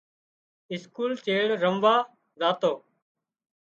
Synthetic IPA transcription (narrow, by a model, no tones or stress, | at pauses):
ɪskuːlt͡ʃeːɽɾəmʋaː | zaːt̪oː